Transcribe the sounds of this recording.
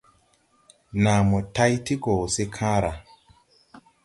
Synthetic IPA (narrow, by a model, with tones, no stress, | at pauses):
nã˨mɔ˨ta˦jti˦ko˨se˦kʰãː˦ɾa˨